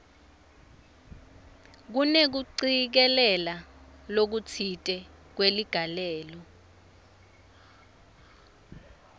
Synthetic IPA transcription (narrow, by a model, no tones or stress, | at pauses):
k̬unek̬uǀik̬ɛlɛlalok̬ut͡sʰitʼɛ | k̬weliɡ̥ʱalɛːlɔ